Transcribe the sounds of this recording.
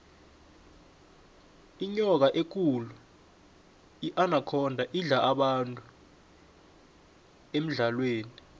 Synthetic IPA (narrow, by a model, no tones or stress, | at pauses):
iɲɔk̬aʔek̬ulu | iʔanakʰɔndʱaʔiɮaʔaɓantʼu | em̩ɮalweːni